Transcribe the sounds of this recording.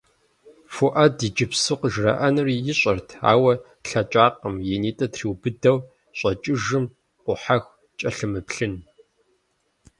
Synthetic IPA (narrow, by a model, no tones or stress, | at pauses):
fuʔɐdiːd͡ʒɪpsɨqəʒrɐ̰ʔɐnɨrijɪɕʼɐrtʰa̰ːwɐ | ɬɐt͡ʃʼaːqəmjeniːtʼɐtriːwbɨdɐw | ɕʼɐt͡ʃʼɪʒɨm | qʷʊħaxʷ | t͡ʃʼɐɬɨmɨpɬɨn